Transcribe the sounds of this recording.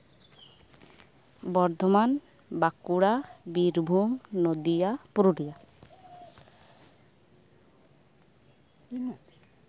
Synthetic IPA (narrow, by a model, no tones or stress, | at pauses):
bɔɾd̪ʱɔman | bakuɽabiɾbʱumnod̪ijapuɾuɽija